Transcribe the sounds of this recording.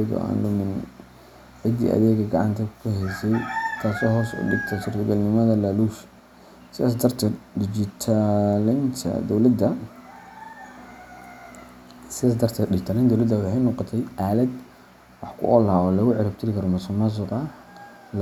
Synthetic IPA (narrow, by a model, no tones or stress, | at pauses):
ɣɔ̰ʔa̰ːnlʊmɪn | ʕɪd̪ḭʔɐ̰ðɛːɡɐɡɑʕɑ̰nt̪ʰɐkkʰʊɦɛjsɛjkʰaːsɔːɦɔːsʊ̰ɖɪɡt̪ʰɛsʊrt̪ʰɔɡɐlnɪmɐðɐlaluːʃ | sɪaːs̬d̪ɐrt̪ʰɛɖɪd͡ʒɪt̪ʰalɪnt̪ʰɐ̰d̪ɔwlɐd̪ɐ | sɪðas̬d̪ɐrt̪ʰɐdɪd͡ʒɪt̪ʰalɪnd̪ɔwlɐd̪ɐwħajnɔːqɔt̪ʰɛjʔaːlɐd̪ | wɑħkʰʊ̰ʔɔlɦaɔːlɐɣʊʕɪɾab̚t̪ʰɪɾɪkʰɐɾɔmɐsɔmɐs̬ʊqɐ